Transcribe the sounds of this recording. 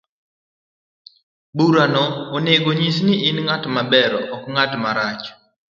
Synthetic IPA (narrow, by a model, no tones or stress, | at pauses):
buɾanɔːneɡoɲisniɪnŋatmabɛɾɔʔɔkŋatmaɾat͡ʃ